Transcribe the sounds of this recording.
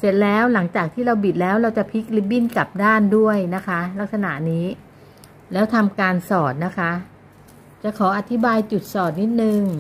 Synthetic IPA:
se˨˩t̪̚lɛː˦˥wla˩˦ŋt͡ɕaː˨˩k̚t̪ʰiː˥˩ɾa˧wbi˨˩t̪̚lɛː˦˥wɾa˧wt͡ɕa˨˩pʰi˦˥k̚li˦˥p̚bi˥˩nka˨˩p̚daː˥˩ndu˥˩əjna˦˥kʰa˦˥la˦˥k̚sa˧na̰˨˩niː˦˥ | lɛː˦˥wt̪ʰa˧mkaː˧nsɔː˨˩t̪̚na˦˥kʰa˦˥ | t͡ɕa˨˩kʰɔː˩˦ʔa˨˧˩t̪ʰi˦˥baː˧jt͡ɕu˨˩t̪̚sɔː˨˩t̪̚ni˦˥t̪̚nɯ˨˧ŋ

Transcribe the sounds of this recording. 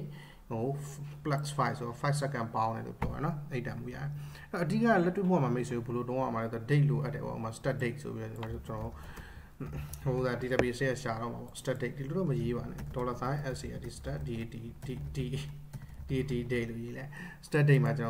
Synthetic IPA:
o˨pla˦ksfa˦ɪfso˨ɾɔ˨fʰa˦ɪsɛ˦kɛ̃˨npã˦ʊ̃nɛ̰˨lo̰˦˨pjɔ̰˦ɾɛ̰˨nɔ˦ʔe˦˨tã̰˨mṵ˨ja̰˦˨ɛ˨ʔɛ˦ɔ˨ʔədi˦˨ka˦˨lɛ˦tːwe˦pʰo˦wa˨ma˨me˦ɪʔso˨o˨bo˨lo˨tõ˦ã̰˦˨ma˨lɛ˦˨d̪ɔ˨de˦ʔlo˨ʔa˦tːɛ̰˨ɔ̰˦ʔma˨sə̥ta˦de˦ɪtso̰˨bi˦ɾɔ˦˨a˨t͡ɕənɔ˨o˦ | ho˨˦d̪a˨di˨ta˨pi˨ʔəse˦a˦˨ʃa˨ɾɔ̰˦˨ma˨bɔ̰˦sə̥ta˦ʔ̚de˦ɪʔ̚d̥i˨lo˨ɾɔ˦˨məje˦βa˨nɛ̰˨dɔ˨la˨t̪ʰã˦˨ʔɛ˦si˨ja̰˦˨di˨sə̥ta˦ʔdi˨i˨ddi˨ | d̥i˨e˨ti˨de˦ɪʔlo˦˨je˦la˨sə̥ta˦de˦ʔma˨t͡ɕənɔ˨

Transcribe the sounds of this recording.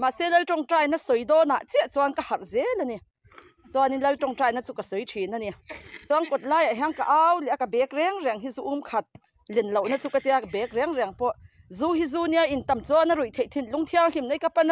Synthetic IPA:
ma˨sɛ˦lɐ˦lʈ͡ʂɔ˧˨ŋʈ͡ʂaː˧˨jna˦sɔ˨jd̪ɔː˦na˨ʔt͡si˦a˦ʔt͡sɔ˧a˧˦nka˧ha˨rzɛ˦la˧ni˧ | t͡sɔ˧a˧˨ni˧˦lɐ˧˦ltɔ˧˨ŋʈ͡ʂaː˧jna˧˦t͡su˧ka˨sɔ˨jtʰi˨˩na˧ni˧t͡sɔ˧a˦ŋkɔ˨t̪̚laː˧˦ja˨ɦa˧˦ŋka˨ʔa˦wlɛ˨a˨ka˨bɛ˨˦k̚rɛ˧˦ŋrɛ˨ŋɦi˦zu˧˦ʔu˦mkʰɐ˨t̪̚ | lɛ˨nlo˨wna˦t͡su˧ka˧t̪ɛ˧a˨kbɛ˨˦k̚ɾɛ˧˦ŋrɛ˨ŋpɔ˧ʔ | zu˦ɦi˦zuː˧˦ni˧a˧ʔi˨nt̪ɐ˨mt͡sɔ˧˦na˧ɾu˨jt̪ʰe˨jt̪ʰi˧˨nlu˧˦ŋt̪ʰi˧a˧ŋli˨mna˦˨jka˧˦pa˦˨na˧

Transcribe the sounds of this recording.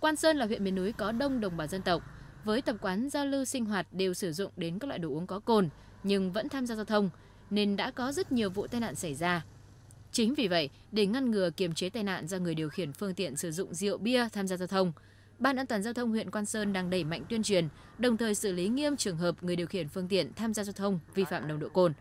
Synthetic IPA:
kwaː˧nsəː˧nlaː˨˩wḭ˧˨ənmḭ˧˨ənːu˨˦jkɔ˨˦ɗə˧wŋ͡mɗə˨˩wŋ͡mɓaː˨˩wzə˧nt̪ə˨˩wk͡p̚ | vəː˨˦jt̪ə˨˩p̚kwaː˨˦nza˧wlɨ˧sï˧ŋ̟ɦwaː˨˩t̚ɗe˨˩wsɨ˧˩zʊ̰˧˨ŋ͡mɗe˨˦nka˦˥k̚lw̰a̰ː˧˨ɗo̰˧˩ʔəŋkɔ˨˦ko˧˩n | ɲɨ˧ŋvə̰˧˥nt̪ʰaː˧mzaː˧zaː˧wt̪ʰə˧wŋ͡m | ne˧nɗa̰ː˧˥kɔ˨˦zə˦˥t̚ɲi˨˩əwvṵ˧˨t̪aː˧jna̰ː˧˨nsa˧˩jzaː˧ | t͡ɕï˨˦ŋ̟vi˨˩və̰˧˨j | ɗe˧˩ŋa˧nŋɨ˨˩əki˧˩əmt͡ɕe˨˦t̪aː˧jna̰ː˧˨nzɔ˧ŋɨ˨˩əjɗi˨˩əwxi˧˩ənfɨ˧əŋt̪ḭ˧˨ənsɨ˧˩zʊ̰˧˨ŋ͡mzi˧˨ə̰˧˨wɓi˧ət̪ʰaː˧mzaː˧zaː˧wt̪ʰə˧wŋ͡m | ɓaː˧nʔaː˧nt̪waː˨˩nzaː˧wt̪ʰə˧wŋ͡mhwḭ˧˨ənkwaː˧nsəː˧nɗaː˧ŋɗə˧˩jma̰˧˨jŋ̟t̪wi˧ənt͡ɕwi˨˩ən | ɗə˨˩wŋ͡mt̪ʰəː˨˩jsɨ̰˧˩li˨˦ŋi˧əmt͡ɕɨ˨˩əŋɦəː˨˩p̚ŋ˨˩əjɗwxi˧˩ənfɨ˧əŋt̪ḭ˧˨ənt̪ʰaː˧mzaː˧zaː˧wt̪ʰə˧wŋ͡mvi˧fa̰ː˧˨mɗə˨˩wŋ͡mɗo̰˧˨ko˧˩n

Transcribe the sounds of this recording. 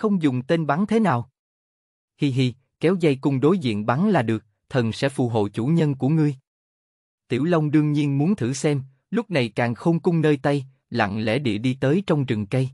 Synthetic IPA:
xə˧wŋ͡mzʊ˨˩ŋ͡mt̪e˧nɓa˨˦nt̪ʰe˨˦naː˨˩w | hi˧ɦi˧ | kɛ˨˦wza˧jkʊ˧ŋ͡mɗo˨˦jzḭ˧˨ənɓa˨˦nlaː˨˩ɗɨ˨˩ək̚ | t̪ʰə˨˩nsɛ̰˧˥fṵ˧˩ɦo̰˧˨jt͡ɕu˧˩ɲə˧nku˧˩əŋɨ˧əj | t̪ḭ˧˩əwlə˧wŋ͡mɗɨ˧əŋɲi˧ənmu˨˦ənt̪ʰɨ˧˩sɛ˧m | lʊ˦˥k͡p̚na˨˩jkaː˨˩ŋxo˧wŋ͡mkʊ˧ŋ͡mnəː˧jt̪a˧j | la̰˧˨ŋlɛ̰˧˥ɗḭ˧˨əɗi˧t̪əː˨˦jt͡ɕɔ˧wŋ͡mzɨ˨˩ŋkə˧j

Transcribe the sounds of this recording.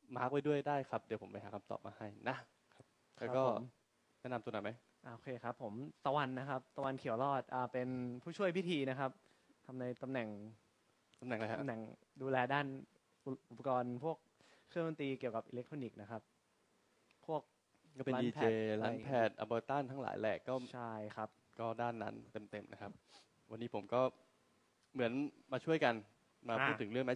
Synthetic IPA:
maː˦˥k̚wa˧jdu˥˩əjdaː˥˩jkʰa˦˥p̚di˨˩˦pʰo˩˦mpa˧jɦaː˩˦kʰa˧mt̪ɔ̰ː˨˩p̚maː˧ha˥˩jna˦˥ | kʰa˦˥p̚ː | kɔː˥˩˦m | nɛː˦˥˩na˧mt̪u˧naː˨˦ma˦j | ʔa˧ʔo˧kʰeː˧kʰa˦˥pʰːo˩˦mt̪a˧wa˧nːa˦˥kʰa˦˥p̚t̪a˧wa˧nkʰi˨˩˦wɾɔː˥˩t̪̚ʔaː˨˩pe˧npʰuː˥˩t͡ɕʰu˥˩əjpʰi˦˥t̪ʰiː˧na˦˥kʰa˦˥p̚ | t̪ʰa˧mna˧jt̪a˧mnɛ˨˩ŋ | t̪a˧mnɛ˨˩ŋlʰa˧mnɛ˨˩ŋ | duː˧lɛː˧daː˥˩n | ʔʔu˨˩pːa˧kɔː˧npʰu˥˩ək̚ʰː | ɯ˥˩əŋwo˧nt̪iː˧ki˨˩əwka˨˩p̚ʔḭː˧le˦˥k̚t̪ʰo˧ni˨˩k̚na˦˥kʰa˦˥p̚ | pʰu˥˩ək̚ | kɔː˥˩pe˧aː˦ndiː˧pʰt͡ɕeː˩˧laː˦˧˩pʰɛː˧˥˩t̪̚ʔa˧pɤː˧t̪aː˥˩nt̪ʰaː˦˥˩ŋla̰ː˨˩˦jlɛː˨˩kːɔː˥˩t͡ɕʰa˥˩jkʰa˦˥p̚ | kɔː˥˩daː˥˩nːa̰˦˥nt̪e˧mt̪e˧mna˦˥kʰa˦˥p̚ | wa˧nːiː˦˥pʰo˩˦mkɔː˥˩ | mɯ˩˦ənmaː˧t͡ɕʰu˥˩əjka˧n | maː˧uː˥˩ɯ˩˦ŋɾɯ˥˩əŋma˦˥

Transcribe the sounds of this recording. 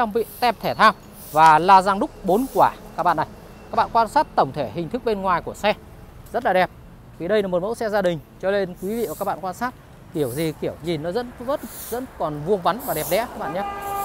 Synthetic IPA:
t͡ɕɔ˧wŋ͡mvḭ˧˨t̪ɛ˧p̚t̪ʰɛ˧˩t̪ʰaː˧w | vaː˨˩laː˧zaː˧ŋɗʊ˦˥k͡p̚ɓo˨˦nkwaː˧˩kaː˦˥k̚ɓa̰ː˧˨na˨˩j | kaː˦˥k̚ɓ̰aː˧˨˧kwaː˧nsaː˦˥t̚t̪ə˧˩wŋ͡mt̪ʰe˧˩ɦï˨˩ŋ̟t̪ʰɨ˦˥k̚ɓe˧nŋwaː˨˩jku˧˩əsɛ˧ | zə˦˥t̚laː˨˩ɛ˨˩p̚ | vi˨˩ɗə˧jla˨˩mo˨˩t̚mə̰˧˥wsɛ˧zaː˧ɗï˨˩ŋ̟t͡ɕɔ˧le˧nkwi˨˦vḭ˧˨˩kaː˦˥k̚ɓ̰a̰ː˧˨˧kwaː˧nsaː˦˥t̚ | ki˧˩əwzi˨˩ki˧˩əwɲi˨˩nːɔ˨˦zə̰˧˥nvə˦˥t̚zə̰˧˥nkɔ˨˩nvu˧əŋva˨˦nvaː˨˩ɗɛ˨˩p̚ɗɛ̰˧˥kaː˦˥k̚ɓa̰ː˧˨ɲaː˨˦

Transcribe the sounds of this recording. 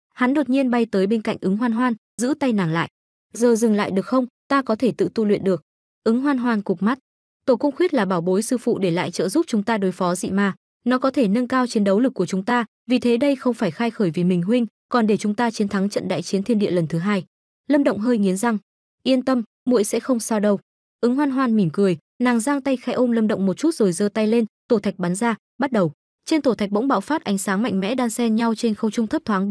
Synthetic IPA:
ha˨˦nɗo˨˩t̚ɲi˧ənɓa˧jt̪əː˨˦jɓe˧nka̰˧˨jŋ̟ʔɨ˨˦ŋɦwaː˧nɦwaː˧n | zɨ̰˧˥t̪a˧jnaː˨˩ŋla̰ː˧˨j | zəː˨˩zɨ˨˩ŋla̰ː˧˨jɗɨ˨˩ək̚xə˧wŋ͡mt̪aː˧kɔ˨˦t̪ʰe˧˩t̪ɨ̰˧˨t̪u˧lwḭ˧˨nɗɨ˨˩ək̚ | ʔɨ˨˦ŋɦwaː˧nɦwaː˧˩nkʊ˨˩k͡p̚ma˦˥t̚ | t̪o˧˩kʊ˧ŋ͡mxwi˦˥t̚laː˨˩ɓaː˧˩wɓo˨˦jsɨ˧fṵ˧˨ɗe˧˩la̰ː˧˨jt͡ɕə̰ː˧˨zu˦˥p̚t͡ɕʊ˨˦ŋ͡mt̪aː˧ɗo˨˦jfɔ˨˦zḭ˧˨maː˨˩ | nɔ˨˦kɔ˨˦t̪ʰe˧˩nə˧nkaː˧wt͡ɕi˨˦ənɗə˨˦wlɨ˨˩k̚ːu˧˩ət͡ɕʊ˨˦ŋ͡mt̪aː˧ | vi˨˩t̪ʰe˨˦ɗə˧jxə˧wŋ͡mfaː˧˩jxaː˧jxəː˧˩jvi˨˩mï˨˩ŋ̟ɦwï˧ŋ̟ | kɔ˨˩nɗe˧˩t͡ɕʊ˨˦ŋ͡mt̪aː˧t͡ɕi˨˦ənt̪ʰa˨˦ŋt͡ɕə̰˧˨nɗa̰ː˧˨jt͡ɕi˨˦ənt̪ʰi˧ənɗḭ˧˨ələ˨˩nt̪ʰɨ˨˦ɦaː˧j | lə˧mɗə̰˧˨ŋ͡mɦəː˧jŋi˨˦ənza˨˩ŋ | ʔi˧ənt̪ə˧m | mṵ˧˥əjsɛ̰˧˥xə˧wŋ͡msaː˧wɗə˧w | ʔɨ˨˦ŋwaː˧nɦwaː˧nmi˧˩mkɨ˨˩əj | naː˨˩ŋzaː˧ŋt̪a˧jxaː˨˧˦ʔo˧nlə˧mɗə̰˧˨wŋ͡mmo˨˩t̚t͡ɕu˦˥t̚z̥o˨˩jzəː˧t̪a˧jle˧nt̪o˧˩t̪ʰa˨˩jk̚ɓa˨˦nzaː˧ | ɓa˦˥t̚ɗə˨˩w | t͡ɕe˧nt̪o˧˩t̪a˨˩k̚ɓə̰˧˥wŋ͡mɓa̰ː˧˨wfaː˦˥t̚ʔa˨˦jŋ̟saː˨˦ŋma̰˧˨ŋmɛ̰˧˥ɗaː˧ŋsɛ˧ɲa˧wt͡ɕe˧nxə˧wt͡ɕʊ˧ŋ͡mt̪ʰə˦˥p̚t̪ʰwaː˨˦

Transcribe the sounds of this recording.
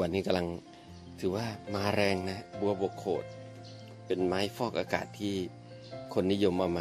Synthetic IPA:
nːiː˦˥˩ka˧mla˧ŋ | t̪ʰɯː˩˦waː˥˩maː˧ɾɛː˧ŋna˦˥bu˧ɐbu˨˩əkʰːoː˨˩t̪̚ | pe˧nmaː˦˥jfɔː˥˩k̚ʔaː˧ka̰ː˨˩t̪ʰːiː˥˩ | kʰo˧nːi˦˥jo˧mʔa˧maː˧

